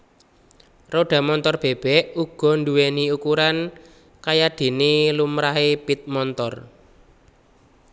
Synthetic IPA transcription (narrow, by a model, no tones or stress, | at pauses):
roɖ̥ä̤mɔnt̪ɔrb̥e̤b̥ɛʔuɡ̥ɔ̤nduweniukuɾan | kajad̥e̤nilumɾaɦepit̪̚mɔnt̪ɔr